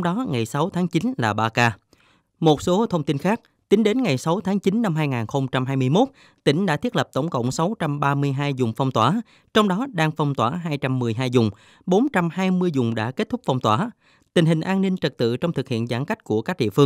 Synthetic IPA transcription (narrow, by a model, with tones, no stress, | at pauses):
wŋ͡mɗɔ˨˦ŋa˨˩jsa˨˦wt̪ʰaː˨˦ŋt͡ɕi˨˦nlaː˨˩ɓaː˧kaː˧ | mo˨˩t̚so˨˦t̪ʰə˧wŋ͡mt̪i˧nxaː˦˥k̚ | t̪ï˨˦ŋɗe˨˦nŋa˨˩jsa˨˦wt̪ʰaː˨˦ŋt͡ɕi˨˦nːa˧mɦaː˧jŋaː˨˩nxə˧wŋ͡mt͡ɕa˧mɦaː˧jmɨ˧əjmo˦˥t̚ | t̪ï˧˩ŋ̟ɗa̰ː˧˥t̪i˦˥ət̚lə˨˩p̚t̪ə˧˩wŋ͡mkə̰˧˨wŋ͡msa˨˦wt͡ɕa˧mɓaː˧mɨ˧əjɦaː˧jzʊ˨˩ŋ͡mfa˧wŋ͡mt̪waː˧˩ | t͡ɕɔ˧wŋ͡mɗɔ˨˦ɗaː˧ŋfa˧wŋ͡mt̪waː˧˩ɦaː˧jt͡ɕa˧mːɨ˨˩əjɦaː˧jzʊ˨˩ŋ͡m | ɓo˨˦nt͡ɕa˧mhaː˧jmɨ˧əjzʊ˨˩ŋ͡mɗa̰ː˧˥ke˦˥t̚t̪ʊ˦˥k͡p̚fa˧wŋ͡mt̪waː˧˩ | t̪ï˨˩ŋ̟ɦï˨˩ŋ̟ʔaː˧nːï˧ŋt͡ɕə˨˩t̚t̪ɨ̰˧˨t͡ɕɔ˧wŋ͡mt̪ɨ˨˩k̚hḭ˧˨ənzaː˧˩nka˦˥k̟̚ku˧˩əkaː˦˥k̚ɗḭ˧əfɨ˧əŋ